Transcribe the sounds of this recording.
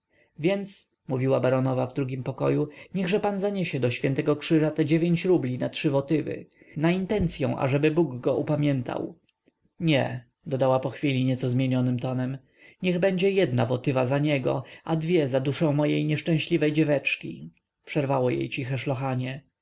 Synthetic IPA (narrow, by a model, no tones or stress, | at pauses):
vʲjɛnt̪s | muvʲiwabaɾɔnɔvavd̪ɾuɡʲimpɔkɔjuɲɛɣʐɛpanzaɲeɕɛd̪ɔɕfʲjɛnt̪ɛɡɔkʂɘʐat̪ɛd͡ʑevʲjeɲt͡ɕɾublʲinatʂɘvɔt̪ɘvɘ̰ | naint̪ɛnt̪sʲjɔ̰̃w̃ʔa̰ʐɛbɘbuɡɡɔʔupamʲjɛnt̪ʰa̰w | ɲɛ | d̪ɔd̪awapɔxfʲilʲiɲɛt̪sɔzmʲjeɲɔnɘmt̪ɔnɛm | ɲɛɣbɛɲd͡ʑɛjɛd̪navɔt̪ɘvazaɲɛɡɔ̰ad̪vʲjɛzad̪uʂɔ̃w̃mɔjejɲɛʂt͡ʂɛ̃w̃ɕlʲivɛjd͡ʑɛvɛt͡ʂkʲi | pʂɛɾvawɔjḛjt͡ɕixɛʂlɔxaɲɛ